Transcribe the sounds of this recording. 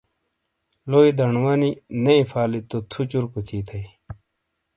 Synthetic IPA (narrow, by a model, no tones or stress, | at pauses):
loːid̪ɐɳwɐninɐifaːlit̪ot̪ʰut͡ɕuɾkut͡ɕʰiːt̪ʰɐi